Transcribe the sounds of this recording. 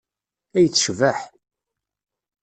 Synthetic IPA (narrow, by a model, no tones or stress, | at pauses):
æjət͡sːʃvəħ